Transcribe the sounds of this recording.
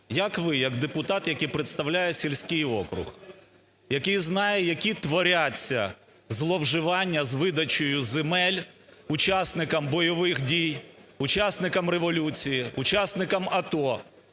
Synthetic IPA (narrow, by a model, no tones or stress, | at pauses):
jɐkʋɪjɐɡd̪epʊt̪ɑt̪jɐkɪjpɾet̪st̪ɐwlʲajɛsʲilʲsʲkɪjɔkɾʊ̰x | jɐkɪjznɑjɛjɐkʲit̪ʋɔɾʲat͡sʲːɐ̰ | zlˠɔwʒɪʋɑnʲːɐzʋɪd̪ɐt͡ʃɔjʊzemɛlʲʊt͡ʃasnɪkɐmbɔjɔʋɪxdʲijʊt͡ʃasnɪkɐmɾeʋɔlʲut͡sʲijiʊt͡ʃasnɪkɐmɐt̪ɔ